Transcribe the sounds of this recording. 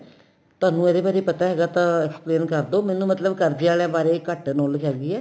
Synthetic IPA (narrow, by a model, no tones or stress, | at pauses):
t̪ʊaːnũːɛːɾeːbaːɾeːpət̪aːɦɛːɡaːt̪ãːɛkspleːnkəɾd̪oːmɛːnũːmət̪ləbkəɾd̪eːaːlãːbaːɾeːkəʈnoːlkɛːɡiːɛː